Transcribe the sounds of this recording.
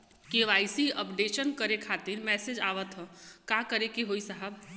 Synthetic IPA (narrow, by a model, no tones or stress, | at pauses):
keʋaːisiəpɖeːʃənkəɾekʰaːt̪iɾmɛːsed͡ʒaːʋət̪ɦɔ̃kakəɾekeɦoisəɦəb